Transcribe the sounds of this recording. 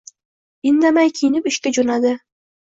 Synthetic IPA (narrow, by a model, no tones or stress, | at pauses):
ɪnd̪amajkʲʰijɪnɪpɪʃkʲad͡ʒonad̪ɪ